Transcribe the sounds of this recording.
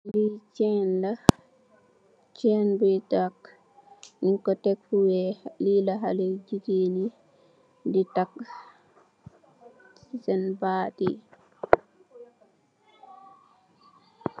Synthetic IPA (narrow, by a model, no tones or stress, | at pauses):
lit͡ʃɛnda | t͡ʃɛnbutak | niŋkɔtɛkfuwɛliːlaɦalɛd͡ʒiɡeni | ditak | sisɛnbaːtḭ